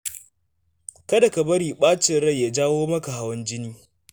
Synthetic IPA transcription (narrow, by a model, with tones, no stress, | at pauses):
kɐ˦da˨kɐ˨bɐ˦ɾiː˨ɓaː˦t͡ʃɪ˨nɽɐ˦ja˨d͡ʒaː˦woː˦mɐ˦ka˨ha˦˨wɐ˦nd͡ʒɪ˦niː˦